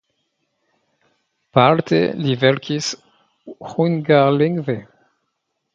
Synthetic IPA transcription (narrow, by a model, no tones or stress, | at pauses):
palt̪ḛlivɛlkʰʲis | huŋɡaʁliŋve